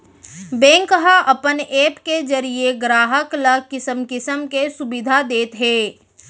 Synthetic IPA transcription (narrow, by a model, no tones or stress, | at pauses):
bẽːŋkəɦaʔɐpəneːpked͡ʒɐɾieɡɾaːɦəkləkɪsəmkɪsəmkesʊbɪd̪ʱad̪eːt̪ɦɛː